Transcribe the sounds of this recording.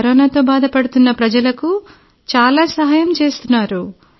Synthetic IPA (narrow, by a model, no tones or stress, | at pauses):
ɾoːnaːt̪o̞ːbaːd̪ʱɐpɐɽut̪unːɐpɾɐd͡ʒɐlɐku | t͡ʃaːlaːsɐɦaːjɐmt͡ʃe̞ːst̪unːaːɾu